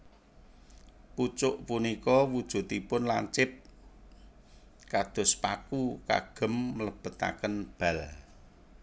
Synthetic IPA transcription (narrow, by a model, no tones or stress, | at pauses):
put͡ʃʊʔpunikɔwud̥ʒ̥ṳt̪ipʊnlaɲt͡ʃɪp̚ | kad̪̥ʊ̤spakuka̰ɡ̥ə̤mːələb̥ə̤t̪a̰kənb̥a̤l